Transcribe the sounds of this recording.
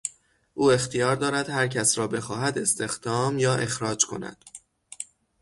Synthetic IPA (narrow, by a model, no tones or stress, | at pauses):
ʔuːe̞xt̪ʰijɒːɾd̪ɒːɾæd̪̥hæɾcʰæsɾɒːbe̞xɒːhæd̪e̞st̪e̞xd̪̥ɒːmjɒːʔe̞xɾɒːd͡ʒkʰo̞̰næ̰d̪̥